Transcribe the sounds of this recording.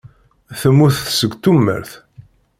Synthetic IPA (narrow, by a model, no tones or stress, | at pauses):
θəmːuθθsəɡt̪ːumːə̰ɾθ